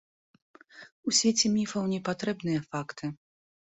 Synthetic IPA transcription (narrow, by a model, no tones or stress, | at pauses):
usʲvʲet͡sʲɛmʲifɐwnʲɛpat̪ɾɛbnɨjɐfakt̪ʰɨ